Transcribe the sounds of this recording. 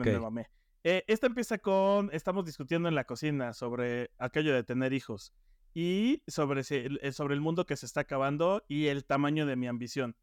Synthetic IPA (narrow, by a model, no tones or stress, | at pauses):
meeemame | eʔe̞st̪aempje̞sakone̞st̪amo̞zðiskut̪̬je̞nd̪oe̞nlako̞sinaso̞βɾe̞akeʝoðe̞t̪e̞ne̞ɾixo̞s | iso̞βɾeseso̞βɾe̞ːlmũnd̪o̞ke̞seːst̪aːkaβand̪o̞ie̞lt̪amãɲo̞ðe̞miambisjo̞n